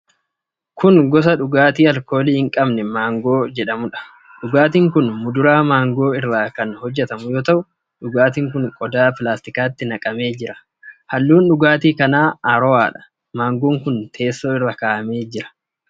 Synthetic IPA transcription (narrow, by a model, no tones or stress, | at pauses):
kʊŋɡɔs̬ɐᶑʊɡaːt̪iːɐlko̞ːliːhɪŋkʼɐbnɛmaːŋɡo̞ːd͡ʒɛᶑɐmʊᶑɐ̥ | ᶑʊɡaːt̪̬iːŋkʊnmʊd̪ʊɾaːmaːŋɡo̞ːɪrːaːkɐnhɔd͡ʒːɛt̪ɐmʊjoːt̪ɐʔʊ | ᶑʊɡaːt̪iːŋkʊŋkʼɔd̪aːpɪlaːst̪ɪkaːt̪ːɪnɐkʼɐme̞ːd͡ʒɪɾɐ | hɐlːuːnᶑʊɡaːt̪iːkɐnaːaːɾɔwaːᶑɐ̥ | maːŋɡoːŋkʊnt̪ʰe̞ːsːoːɪrːɐkaːʔɐme̞ːd͡ʒɪɾɐ̥